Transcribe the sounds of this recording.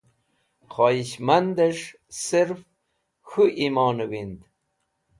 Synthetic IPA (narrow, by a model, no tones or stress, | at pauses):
χɑːiɕmand̪eʂ | siɾf | xuʔimoːnuwind̪